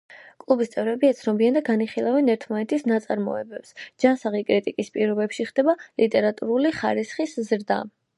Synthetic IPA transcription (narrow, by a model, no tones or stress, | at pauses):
kʼlˠubist̪sʼɛvɾɛbiɛt̪sʰnɔbiand̪aɡaniχilˠavɛnɛɾt̪ʰmanɛt̪ʰisnat̪sʼaɾmɔ̰ɛbɛpsd͡ʒansaʁikʼɾit̪ʼikʼispʼiɾɔbɛpʃiχd̪ɛbalit̪ʼɛɾat̪ʼuɾuliχa̰ɾisχiszɾd̪a̰